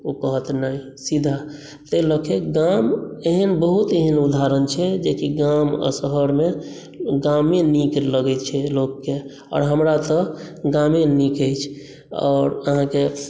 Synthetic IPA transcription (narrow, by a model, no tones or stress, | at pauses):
okəɦət̪nai | sid̪ʱa | t̪ələkʰeɡameɦənbəɦut̪eɦənud̪ʱaɾənt͡ʃʰɛd͡ʒekiɡamə̰səɦəɾme | ɡamenikləɡɛt̪t͡ʃʰɛlokːe | ɔ̰ːɾɦəmɾat̪əɡãmenikəjt͡ʃʰ | ɔ̰ːɾəɦãke